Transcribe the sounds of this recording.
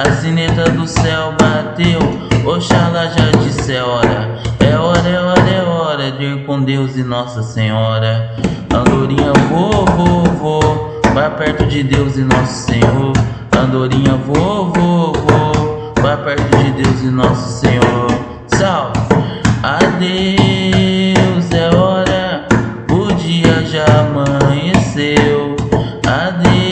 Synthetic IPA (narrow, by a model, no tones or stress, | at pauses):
ɐsĩnet̪ɐd̪ʊsɛwbat̪ewoʃalaʒad͡ʒisɛɔɾɐɛɔɾɐɛɔɾɐɛɔɾɐd͡ʒekõd̪ewzɪnɔsɐsẽɲɔɾɐ | ɐ̃nd̪oɾĩɲɐvovovo | bapɛɾt̪ʊd͡ʒɪd̪ewzɪ̃nɔsʊ̥sẽɲoɾ | ɐ̃nd̪oɾĩɲɐvovovo | bapɛɾt̪ʊd͡ʒɪd̪ewzɪ̃nɔsʊ̥sẽɲoɾ | saw | ad̪e | wzɛɔɾɐ | ʊd͡ʒiɐʒaamɐ̃ɲesew | ad̪e